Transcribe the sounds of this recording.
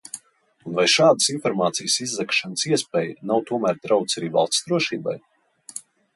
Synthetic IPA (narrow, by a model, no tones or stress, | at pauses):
unvajʃaːd̪əsinfɔɾmaːt̪sijəsizːɛkʃanəsiɛspʲɛːjənawt̪uɔmæːɾd̪ɾawt̪saɾiːva̰lˠst̪sd̪ɾuɔʃiːba̰j